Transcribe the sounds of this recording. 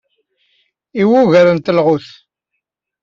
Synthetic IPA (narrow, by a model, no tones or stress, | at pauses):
iwuʝæɾənt̪əlʁʊθ